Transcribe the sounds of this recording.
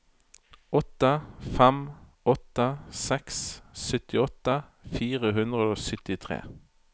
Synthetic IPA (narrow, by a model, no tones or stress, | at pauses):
ɔt̪əfɛm | ɔt̪əsɛkssʏt̪ɪɔt̪əfiːʁəɦʉnd̪ʁəoːsʏt̪ɪt̪ʰʁḛː